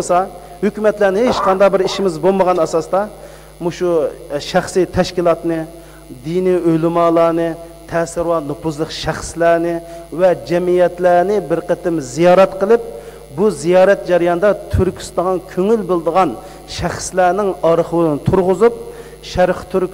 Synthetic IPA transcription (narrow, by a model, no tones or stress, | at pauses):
sɑ | høkʲymɛt̪lænɪɦeet͡ʃqʰɑnd̪ɑqbɪɾiʃimɪzboməʁɑnɑsɑsd̪ɑ | muʃuʃæχsijt̪ʰɛʃkʲilˠɑt̪nɨ | d̪iniølɪmɑːlˠɑːnɨ | t̪ʰɛsɪɾwɑnupʰuzlˠəqʃæχslænɪvɛd͡ʒɛmijɛt̪læːnɪbɪɾqət̪ɪmzijɑːɾɛt̪qəlˠɨp̚ | buzijɑːɾɛt̪̚d͡ʒɛɾɨjɑnɨd̪ɑt̪ʰyɾkʲʰy̥st̪ɑʁɑnkʲʰøŋylbolˠɨd̪əʁɑn | ʃæχslæːnɪŋɑɾəχəwnɨt̪ʰuɾʁʊzup̚ | ʃæɾχt̪ʰyɾkʲ